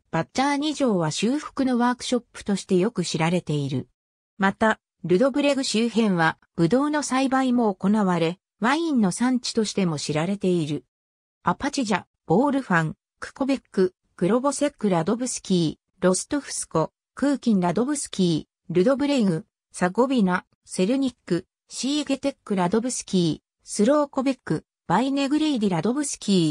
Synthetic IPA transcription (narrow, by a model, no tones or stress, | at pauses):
b̥atːaɲ̟iʑo̞ːβ̞aɕɨːɸɯ̥kɯ̟no̞βaːkɯ̥ɕo̞pːɯ̟̥t̪o̞ɕi̥t̪e̞jo̞kɯ̟ɕiɾaɾe̞t̪e̞iɾɯ̟ | mat̪a | ɾɯ̟d̪o̞bɯ̟ɾe̞ɡɯ̟ɕɨːɦẽ̞ɰ̃βa | b̥ɯ̟d̪o̞ːno̞saibaimo̞ːko̞naβaɾe̞ | βaĩnːo̞sãɲ̟t͡ɕi̥t̪o̞ɕi̥t̪e̞mo̞ɕiɾaɾe̞t̪e̞iɾɯ̟ | apat͡ɕiʑa | b̥o̞ːɾɯ̟ɸãŋ | kɯ̟̥ko̞bekːɯ̟ | ɡ̥ɯ̟ɾo̞bo̞se̞kːɯ̟ɾad̪o̞bɯ̟sɨ̥kʲiː | ɾo̞sɨ̥t̪oɸɯ̟̥sɨ̥ko̞ | kɯ̟ːkʲĩnɾad̪o̞bɯ̟sɨ̥kʲiː | ɾɯ̟d̪o̞bɯ̟ɾe̞ɡɯ̟ | saɡo̞bʲina | se̞ɾɯ̟ɲ̟ikːɯ̟ | ɕiːɡet̪e̞kːɯ̟ɾad̪o̞bɯ̟sɨ̥kʲiː | sɨɾo̞ːko̞bekːɯ̟ | b̥aine̞ɡɯ̟ɾeid̪ʲiɾad̪o̞bɯ̟sɨ̥kʲiː